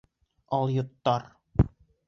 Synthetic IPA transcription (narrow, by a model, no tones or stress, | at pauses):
ɒlˠjŏt̪ːɑɾ